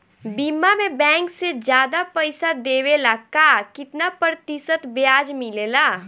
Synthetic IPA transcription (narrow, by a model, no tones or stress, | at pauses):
bimamebɛ̃ːŋksed͡ʒjaːd̪apəɪsad̪eːwelakaːkɪt̪napəɾt̪isət̪bjaːd͡ʒmilela